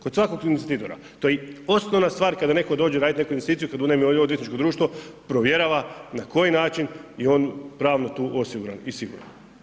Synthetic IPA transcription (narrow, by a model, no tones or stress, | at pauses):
kod̪sʋako̞ɡunit̪sit̪it̪oɾa̰ | t̪ojɛo̞snoʋnast̪ʋaːɾkad̪ane̞ko̞d̪o̞ːd͡ʑeɾad̪it̪ne̞kuinʋest̪it̪sijukad̪uznamiojood̪et̪nit͡ʃkod̪ɾuːʃt̪ʋo̞pɾoʋje̞ɾaʋanako̞jinaːt͡ʃinjiɛo̞ːnpɾaːʋnot̪uːʔo̞siɡuɾa̰nisiɡṵɾa̰n